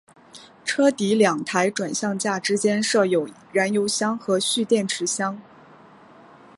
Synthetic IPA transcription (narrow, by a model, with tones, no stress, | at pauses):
ʈ͡ʂʰɤ˥t̪i˧˥ljɑ˨˩ŋt̪ʰa˧˥ɪʈ͡ʂwa˨˩nɕjɑ˥˧ŋt͡ɕja˥˩ʈ͡ʂɻ̩˥t͡ɕjɛ˥nʂɤ˥˩jo˨˩ʊ | ɻa˧˥njo˧˥ʊɕjɑ˥ŋxɤ˧˥ɕy˥˧t̪jɛ˥˩nʈ͡ʂʰɻ̩˧˥ɕjɑ˥ŋ